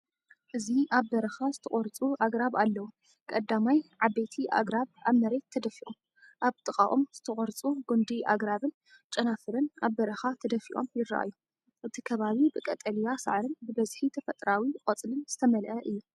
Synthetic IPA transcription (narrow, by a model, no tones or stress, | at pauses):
ʔɨziaβːɐɾɐxazɨt̪ʰɐχʼɔɾt͡sʼuaɡɾaβalːɐwu | kʼɐd̪ːamajʕaβet̪ʰiʔa̰ɡɾaβʔaβmɐɾe̞t̪ʰːɐd̪ɐfiʔom | ʔaβt̪ʼɨkʼa̰ʔʼomz̥ɨt̪ʰɐχʼɔɾt͡sʼuɡund̪iʔa̰ɡɾaβɨn | t͡ʃʼɐnafɨɾɨnaβbɐɾɐxat̪ʰɐd̪ɐfiʔo̞̰mjɪɾːaʔa̰jːu | ʔɨt̪ʰikʰɐβaβibɨkʼɐt̪ʼɐlijasa̰ʕɾɨnbɨbɐzħit̪ʰɐfɐt̪ʼɾawikʼɐt͡sʼlɨnz̥ɨt̪ʰɐmɐlʔɐʔɨjːu